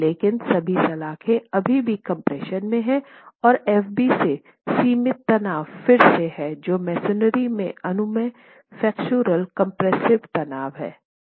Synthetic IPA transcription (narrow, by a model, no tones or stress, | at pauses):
leːkɪnsɐbʱisɐlaːkʰeɐbʱibʱikɐ̃mpɾɛːʃənmẽɦɛ̃ | ɔːɾɛːfbise | siːmɪt̪ːɐnaːʋfɪɾseɦɛd͡ʒoːmɛːsɪnəɾimḛ̃ɐnʊmẽ | fɛːkt͡ʃuːɾəlkɐ̃mpɾɛːsɪʋt̪ɐnaːʋɦɛ̰ː